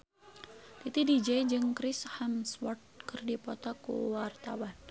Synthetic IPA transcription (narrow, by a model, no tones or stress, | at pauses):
t̪it̪idid͡ʒɛjd͡ʒɨŋkɾishamswɔrt̪̚kɨrdipɔt̪ɔkṵwart̪awan